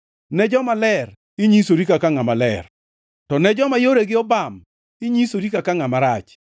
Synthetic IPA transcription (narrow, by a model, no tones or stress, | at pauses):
nɛd͡ʒɔmalɛr | ɪɲisoɾikakaŋamalɛr | tɔnɛd͡ʒɔmajoɾeɡɪɔbam | ɪɲisoɾikakaŋamaɾat͡ʃ